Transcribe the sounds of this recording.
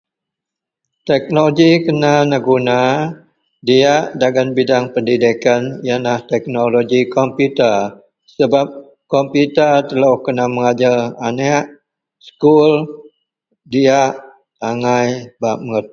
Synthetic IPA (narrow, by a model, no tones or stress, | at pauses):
t̪ɛk̚nooɡikənanəɡuna | diaʔdaɡanbidaŋpəndidikanjanlaht̪ɛk̚noloɡikɔmpjut̪ər | səbap̚ | kɔmpjut̪ərt̪əlawhkənaməŋad͡ʒalaneʔ | sə̥kul | diaʔ | aŋajbaʔməŋət̪̚